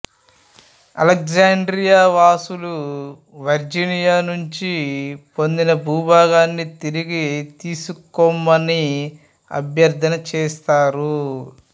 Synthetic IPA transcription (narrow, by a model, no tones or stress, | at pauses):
ɐ̰lek̚zaːɳɖɾijaːʋaːsulu | ʋɐɾd͡ʒinijaːnuɲt͡ʃipo̞nd̪inɐbʱuːbaːɡaːnːit̪iɾiɡit̪iːsukɔmːɐni | ɐ̰bjɐɾd̪ʱɐnɐt͡ʃɛːst̪aːɾu